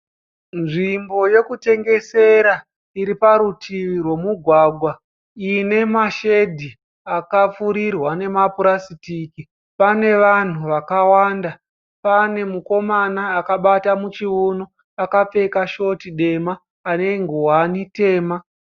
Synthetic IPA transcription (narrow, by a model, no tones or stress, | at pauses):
nʐimbo̞je̞kute̞ŋɡe̞se̞ɾa | iɾipaɾutʰiʋirwe̞muɡʱwaːɡʱwa | ine̞maʃe̞dʱi | akap͡fuɾirwane̞mapuɾasitiki | pane̞ʋan̤uʋakawaːnda | pane̞muko̞manaːkaɓatamut͡ʃiuno | akap͡fe̞kaʃo̞tiɗe̞maː | ne̞ŋɡuwanite̞ːma